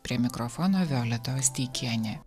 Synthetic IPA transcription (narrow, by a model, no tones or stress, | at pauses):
pʲɾʲiɛmʲɪkɾɔfɔːnoːʋʲɛːlʲɛt̪oːsʲt̪ʲiːkʲiɛnʲeː